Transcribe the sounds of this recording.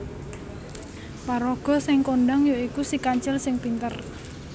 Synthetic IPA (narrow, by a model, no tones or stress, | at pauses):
paɾoɡ̥ɔ̤sɪŋkoɳɖaŋjoikusikaɲt͡ʃɪlsɪŋpint̪ər